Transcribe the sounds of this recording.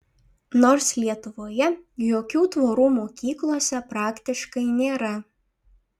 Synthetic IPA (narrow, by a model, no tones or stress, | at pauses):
noːɾslʲiɛt̪ʊʋoːjɛjoːkʲuːt̪ʋoːɾuːmoːkʲiːklˠoːsʲɛpɾɑːkt̪ʲɪʃkɐɪnʲeːɾɐ